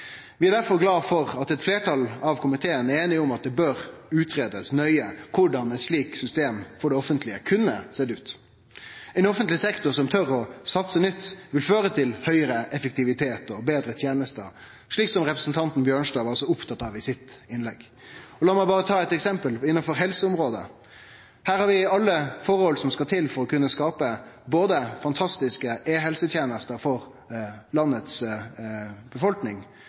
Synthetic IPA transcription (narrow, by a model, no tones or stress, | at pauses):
ʋɪæd̪æɾfɔɾɡlɑːfɔɾɑt̪ɛt̪fleːʈʰɑlɑʋkʰʊmɪt̪ʰeːəneːnɪʊmɑt̪̚d̪ɛbøːɾʉːt̪ʰɾeːd̪əsnœʏəkʰʊɖɑnɛt̪ʂɭiːksʏst̪eːmfɔɖɛɔfənt̪ʰlɪəkʰʉnːəseːd̪ʉːt̪ | ɛɪnɔfənt̪lɪsɛkt̪ʊsɔmt̪ʰœɾɔsɑt̪sənʏt̪ːʋɪlføːɾət̪ʰɪlhœʏəɾəʔɛfɛk̚t̪ɪʋɪt̪ʰeːt̪ɔbeːd̪ɾət̪ʰjeːnəst̪ə̰ɾ | ʂɭiːksɔmʁɛpɾəsn̩t̪ʰɑnt̪n̩bjøːɳʂd̪ɑːʋɑsɔʊpt̪ʰɑt̪ːɑʋɪsɪt̪ɪnlɛɡ | ɔlɑːmæɪbɑːʁət̪ʰɑːɛt̪ɛksɛmpəlɪnːɑnfɔɾɦɛlsəʊmɾoːd̪ə̰ | hæːɾhɑɾʋɪɑlːəfɔːɾəhɔlsɔmskɑt̪ʰɪlfɔɾɔkʉnːəskɑːpəboːd̪əfɑnt̪ʰɑst̪ɪskəeːɦɛlsət̪ʰjeːnəst̪əɾfɔɾ | lɑnːət̪s | b̥əfɔlknɪŋ